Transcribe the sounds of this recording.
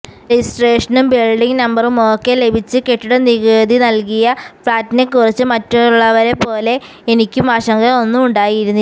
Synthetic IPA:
risʈreːʂɐnumbilɖiŋɡnɐmbɐrumo̞ːkːe̞le̞bʱit͡ɕːɨke̞ʈːuɽeniɣeːd̪ʱinɐlkijɐfɭaːtːine̞kurit͡ɕːɨmɐtːuɭːɐʋɐɾe̞pːo̞ːle̞ | enikʲːumɐʂɐŋɡɐo̞nːumuɳɖaːjiɾunː

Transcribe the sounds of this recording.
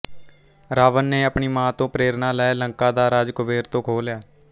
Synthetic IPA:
ɾaːʋənːeːəpɳiːmãːt̪õːpɾeːɾnãːlɛːləŋkãːd̪aːɾaːd͡ʒkʊbeːɾt̪õːkʰoːljaː

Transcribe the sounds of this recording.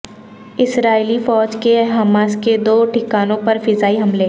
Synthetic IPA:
ɪsɾaːilifɔːd͡ʒkeɦaːmaːsked̪oːʈʰɪkaːnõpɐɾfɪzaːiɦɐmleː

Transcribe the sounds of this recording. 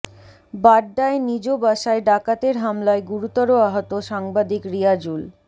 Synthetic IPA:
baɖːaenid͡ʑobaʃaeɖakat̪eɾɦamlaeɡuɾut̪ɔɾoaɦot̪oʃaŋbad̪ikɾiad͡ʑul

